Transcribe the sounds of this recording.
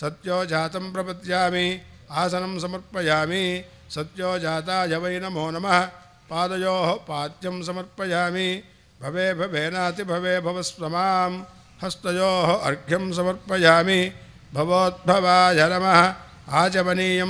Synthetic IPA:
sɐt̪joːd͡ʒaːt̪ɐmpɾɐpɐt̪jaːmi | aːsɐnɐmsɐmɐɾpɐjaːmi | sɐt̪joːt͡ʃaːt̪aːjɐʋɐjnɐmoːnɐmɐɦɐ | paːd̪ɐjoːɦɐpaːt̪jɐms̬ɐmɐɾpɐjaːmi | bʱɐʋeːbʱɐbʱeːnaːt̪ibʱɐʋeːbʱɐʋɐspɾɐmaːm | hɐst̪ɐjoːɦɐʔɐ̰ɾɡʱjɐms̬ɐmɐɾpɐjaːmi | bʱɐʋoːd̪̚bʱɐʋaːjʱɐnɐmɐɦɐ | aːt͡ʃɐbɐniːjɐ

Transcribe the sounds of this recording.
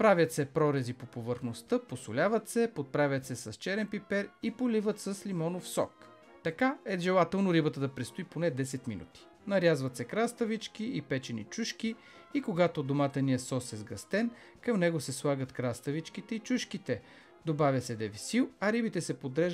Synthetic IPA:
pɾavʲət̪sɛpɾɔɾɛzipopovəɾxnost̪əposʊlʲavət̪sɛpot̪̚pɾavʲjɐt̪sɛsɐst͡ʃɛɾɛnpipɛɾipolivət̪sɐslimɔnofsɔ̰k | t̪ɐkaɛʒɛlˠat̪ɛlˠnoɾibət̪əd̪ɐpɾɛst̪ʊiponɛd̪ɛsɛt̪minṵt̪i̥ | nɐɾjazvɐt̪sɛkɾast̪əvit͡ʃkiipɛt͡ʃɛnḭt͡ʃuʃk̟i | ikoɡat̪od̪omat̪əniɛsɔsɛzɡɐst̪ɛn | kɐmnɛɡosɛslˠaɡət̪kɾast̪əvit͡ʃkit̪ɛit͡ʃuʃkit̪ɛ | d̪obavʲjɐsɛd̪ɛvisilˠɐɾibit̪ɛsɛpod̪ɾɛʒ

